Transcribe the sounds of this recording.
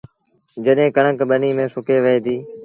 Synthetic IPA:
d͡ʒəɗɦẽːkəɳəkɓəniːmẽːsʊkeːʋəeːd̪iː

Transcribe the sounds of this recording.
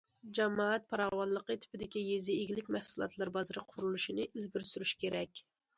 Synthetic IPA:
d͡ʒɛmɑɛt̪̚pʰɑɾɑwɑlːˠəqət̪ʰɪ̥pɪd̪ɪkʲijezɪeɡʲilɪkʲmæhsulˠɑ̰t̪lˠɑɾbɑzɨɾɨqʰʊɾulˠuʃinɨʔilɡʲiɾsyɾyʃkʲeɾɛkʲ

